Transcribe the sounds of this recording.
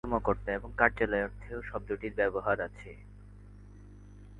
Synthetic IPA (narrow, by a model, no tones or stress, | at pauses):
ɾmokoɾt̪eeboŋkaɾd͡ʑalɔeok̚t̪ʰeoʃɔb̚d̪uʈiɾbɛboɦaɾat͡ɕʰe